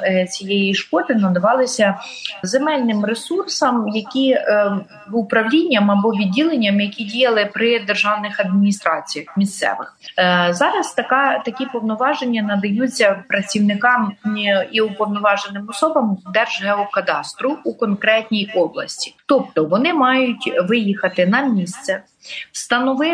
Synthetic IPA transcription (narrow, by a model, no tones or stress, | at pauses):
t͡sʲijejiʃkɔd̪ɪnɐd̪ɐʋɑlˠɪsʲɐzemɛlʲnɪmresursɐmjɐkʲi | ʊpɾɐwlʲinʲːɐmɐbɔʋʲidʲːilˠenʲːɐmjɐkʲidʲijɐlˠɪpɾɪd̪erʒɑwnɪxɐd̪̚mʲinʲist̪ɾɑt͡sʲijɐxmʲist̪sɛ̰ʋɪ̰xzɑɾɐst̪ɐkɑt̪ɐkʲipɔwnɔʋɑʒenʲːɐnɐd̪ɐjut͡sʲːɐpɾɐt͡sʲiwnɪkɑmiʊpɔwnɔʋɑʒenɪmɔsɔbɐmd̪ɛrʒɦɛɔkɐd̪ɑst̪ɾʊukɔnkɾɛtʲnʲijɔblˠɐ̰sʲtʲi̥t̪ɔp̚t̪ɔʋɔnɪmɑjʊtʲʋɪjixɐt̪ɪnɐmʲist̪sɛ | st̪ɐnɔʋɪ